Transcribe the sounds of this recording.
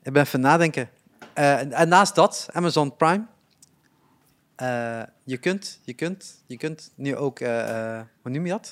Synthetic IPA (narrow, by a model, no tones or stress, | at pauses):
ʔɪɡ̚bɛnfɔnaːdɛŋkə | əɛnːaːsdɔtʔamazɔ̃npɹajm | ʔə | jəkøntjəkøntjəkøntnyʔowkʰəəhunumjədɔt